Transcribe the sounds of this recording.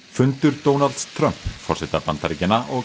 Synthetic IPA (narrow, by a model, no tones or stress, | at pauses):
fʏnt̪ʏɾt̪oːwnalt̪st̪ʰɾœmpfɔrsɛt̪apant̪aɾicɪnːaʔɔ